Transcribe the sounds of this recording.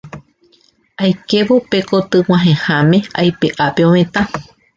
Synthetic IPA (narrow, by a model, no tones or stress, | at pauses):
ajke̞ʋope̞kot̪ɨw̃ãɦẽhãmẽ̞a̰jpeʔape̞õmẽ̞t̪ã